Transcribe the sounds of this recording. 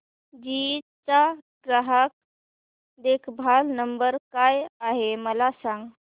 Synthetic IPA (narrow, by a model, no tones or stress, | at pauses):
d͡ʑit͡saɡɾaɦək̚ | d̪ekʰbʱalnəmbəɾkajaɦeməlasãŋɡ